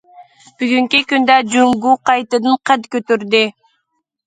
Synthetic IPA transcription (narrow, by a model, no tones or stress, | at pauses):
b̥yɡyŋkykynd̪æd͡ʒumɡuqɑjt̪ɯd̪ɯɴqʰæd̪køt̪yɾd̪y